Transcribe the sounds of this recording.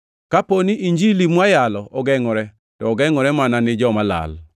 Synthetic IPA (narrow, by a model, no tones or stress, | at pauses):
kaponiʔiɲd͡ʒilimwajalɔʔɔɡɛŋɔɾɛ | tɔːɡɛŋɔɾɛmananɪd͡ʒɔmala̰l